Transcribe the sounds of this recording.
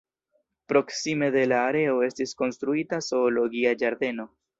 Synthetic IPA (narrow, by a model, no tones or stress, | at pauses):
pɾo̞ksime̞d̪e̞laːɾe̞o̞e̞stisko̞nstɾuitaso̞ːlo̞ɡiad͡ʒaɾd̪e̞no̞